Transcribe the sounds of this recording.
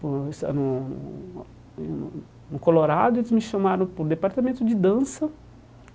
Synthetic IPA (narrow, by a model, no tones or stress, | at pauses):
posa̰nʊn̰ | n | nʊkoloɾad̪ʊelɪzmɪʃɐmaɾɐ̃w̃pʊɾd̪epaɾt̪amẽnt̪ʊd͡ʒɪd̪ɐ̃sɐ